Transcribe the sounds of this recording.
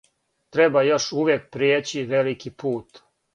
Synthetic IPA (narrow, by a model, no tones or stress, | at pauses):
t̪ɾebajo̞ʃuʋjek̚pɾijeːt͡ɕiʋelikipuːt̪